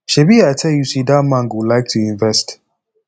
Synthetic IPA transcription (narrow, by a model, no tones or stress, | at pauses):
ʃebiatʰɛljusidamãŋɡwulaɪk̚tʰuĩɱvɛst